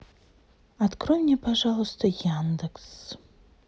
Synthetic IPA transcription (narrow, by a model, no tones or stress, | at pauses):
adkrojmnʲepʰaʐalˠost̪ʰɐjand̪ɨks